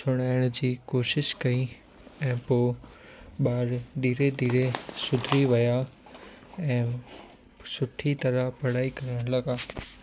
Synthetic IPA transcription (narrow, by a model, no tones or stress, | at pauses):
sʰʊɽ̃aːɪɽ̃d͡ʑiːkoːʃɪʃkɐi | ɛ̃ːpoː | ɓaːɾd̪ʱiːɾed̪ʱiːɾesʊd̪ʱɾiʋɐja | ɛ̃ː | sʊʈʰit̪ɐɾəpɐɽ̤aːikɐɾəɽ̃lɐɡaː